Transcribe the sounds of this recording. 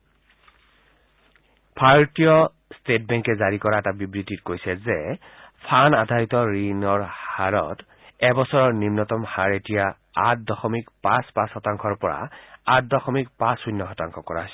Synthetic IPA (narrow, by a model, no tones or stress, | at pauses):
pʰaɹtijɔ | stet̚bɛŋkɛzaɹikɔɹaɛtabibɹititkojsɛzɛ | pʰanadʱaitɔɹinɔɹhaɹɔ̰t | ɛbɔsɔɹɔɹnimnɔtɔmhaɹetija | at̚dɔxɔmikpãspãsxɔtaŋkʰɔɹpɔɹa̰at̚dɔxɔmikpãsujnːɔɦɔtaŋkʰɔkɔɹas